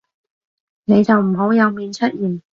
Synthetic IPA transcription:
ne˨˧jt͡sɐ˨wm̩˨˩ɦo˨˥wjɐ˨˧wmiː˨˧nt͡ʃʰɵ˥t̚jiː˨˩n

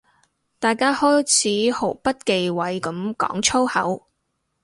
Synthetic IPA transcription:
t̪aː˨jkaː˥hɔː˥jt͡sʰiː˨˥ho˨˩wpɐ˥t̚ke˨jwɐ˨˧jkɐ˨˥mkɔ̰ː˨˥ŋt͡sʰo˥whɐ̰˨˥w

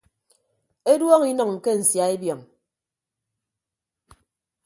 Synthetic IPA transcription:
e˦dwɔ˦ŋi˦nɔ˨ŋ̩˨ke˦n̩˨sja˨e˦bjɔ˨ŋ

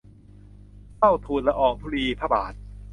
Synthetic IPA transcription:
fa˥˩wt̪ʰuː˧nla˧ʔɔː˨˩ŋt̪ʰuː˦˥˧ɾiː˧pʰaː˧˩ba̰ː˨˩t̪̚

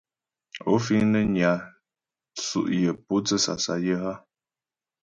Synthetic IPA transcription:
o˦fi˦ŋnə˦ɲa˨ | sṵ˨ʔjə˨pu˦t͡sə˦sa̰˨sa̰˨jə˦ɦa˦

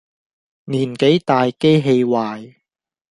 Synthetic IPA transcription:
niː˨˩nke˨˥jt̪aː˨jke˥jɦe˧jwaː˨j

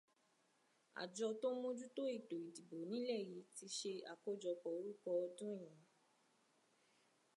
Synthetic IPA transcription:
a̰˨d͡ʒɔ˧to˦mõ˦d͡ʒu˦to˦i˦˨to˨i˨di˨bo˨nĩ˦lɛ˦˨ji˨˦ti˧ʃe˧a̰˨ko˦˨d͡ʒɔ˧kɔ˨o˨˦ɾu˦kɔ˧ɔ˧dũ˦i˦˨j̃ã˨˦

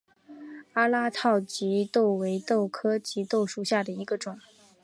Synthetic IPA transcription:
a˥la˥t̪ʰɑ˥˩ʊt͡ɕi˧˥t̪o˥˩ʊwe˧˥ɪt̪o˥˩ʊkʰɤ˥t͡ɕi˧˥t̪o˥˧ʊʂu˥˩ɕja˥˩d̪ə˩i˧˥ɡə˧ʈ͡ʂʊ˨˩˦ŋ

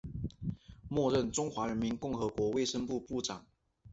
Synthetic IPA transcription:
mwɔ˥˧ɻə˥˨nʈ͡ʂʊ˥ŋxwa˧˥ɻə˧˦˥nmi˧˦nkʊ˥˩ŋxɤ˧˥kwɔ˧˥we˥˩ɪʂə˥ŋpu˥˧pu˥˩ʈ͡ʂɑ˨˩˦ŋ

